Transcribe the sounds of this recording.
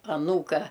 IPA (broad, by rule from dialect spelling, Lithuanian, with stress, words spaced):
ɐˈnuːkɐ